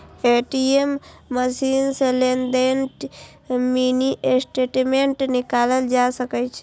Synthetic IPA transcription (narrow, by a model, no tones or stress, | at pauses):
eʈiemːəsinselend̪enʈ | miniʔesʈeʈmeɳʈnikaləld͡ʒasəkɛt͡ʃʰɛ